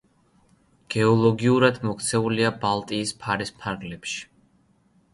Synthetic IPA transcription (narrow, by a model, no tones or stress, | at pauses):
ɡ̥ɛɔlˠɔɡiuɾad̪mɔkt̪sʰɛuliabalˠt̪ʼiːspʰaɾispʰaɾɡlɛpʃi̥